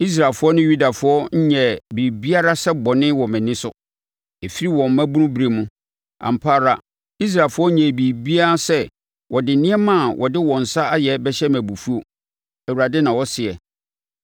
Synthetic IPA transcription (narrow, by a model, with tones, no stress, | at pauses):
i˦s̬ɾa˨fʊ˦ɔ˦nʊ̃˦ju˦da˨fʊ˨˦ɔ˦ɲ̩˦ɲɛ˨bi˨bi˦a˦ɾa˦sɛ˦bɔ˨nɪ̃˦wɔ˨mɪ̃˨nɪ̃˦sʊ˦ | e˨fi˦ɾi˦wɔ̃˨m̩˨mæ̃˦bũ˦nũ˦bɾe˨mũ˦ | ã̰˨m̩˨pʰaː˦ɾa˨ | i˦s̬ɾa˨fʊ˦ɔ˦ɲɛ̃˨bi˨bi˦a˦a˦sɛ˦ | wɔ˨dɪ˨nɪ̃˦ɛ˦mã˦˨wʔɔ̰˨dɪ˦wɔ̃˨n̩˨sa˦a˦jɛ˨bɛ˦ɕɛ˦mæ̃˨bu˨fu˦o˨ | æ˨wu˨ɾa˨dɪ˦nã˨wɔ˦sɪ˨ɛ˨